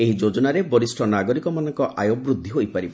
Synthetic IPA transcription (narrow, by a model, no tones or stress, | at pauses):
eɦid͡ʒod͡ʒɔnaɾebɔɾisʈʰɔnaɡɔɾikɔmanɔŋkɔʔʔajobɾud̪ʱːiɦojpaɾibɔ